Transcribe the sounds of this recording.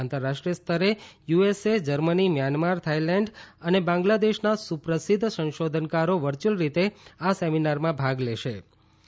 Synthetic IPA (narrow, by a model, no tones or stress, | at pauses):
nt̪əɾːaʃʈɾijəst̪ʰəɾejuesed͡ʒəɾmənimjanmaɾt̪ʰailɛɳɖənebãŋɡlad̪eʃnasupɾəsid̪ʱːsə̃nʃod̪ʱənkaɾoʋəɾt͡ʃəlɾit̪easeminaɾmãbʱaɡleʃe